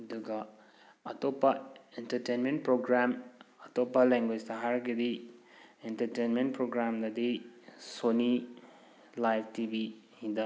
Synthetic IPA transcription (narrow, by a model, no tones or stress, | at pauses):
ɐduɡɐ | ɐtopːɐentɐɾtejnment̚pɾoɡɾamɐtopːɐleŋɡwed͡ʒtɐɦaɾɐɡedi | entɐɾtejnment̚pɾoɡɾamdɐdisoni | lajpʰtibi | hidɐ